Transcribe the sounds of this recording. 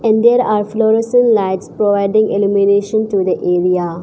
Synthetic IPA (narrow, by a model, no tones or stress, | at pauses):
ɛ̃ɳɖd̪eɾaːɾflɔːɾesə̃nlaɪʈspɾɔʋaɪɖĩŋɡelumineːʃə̃nʈud̪əʔeːɾia